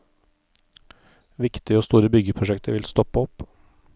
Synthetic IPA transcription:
ʋɪkt̪ɪəoːst̪uːɾəbʏɡəpʰɾʊʃɛkt̪əɾʋɪlst̪ɔpəɔp

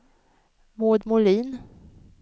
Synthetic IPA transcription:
moːd̪mʊliːn

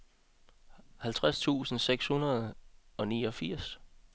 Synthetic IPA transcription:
hælt͡sʰʁast͡sʰṵːsn̩seɡ̥shunɐð̞ˠɒ̽niːɒ̽fiɐ̰s

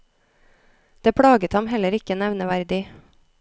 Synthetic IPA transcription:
d̪̥eːpʰɽɑːɡət̪hɑmhɛləɾɪkənɛʋnəʋæɾd̪ɪ

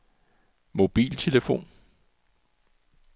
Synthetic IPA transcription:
mo̝b̥ḭːlt͡sʰe̝ləfo̝̰ːn

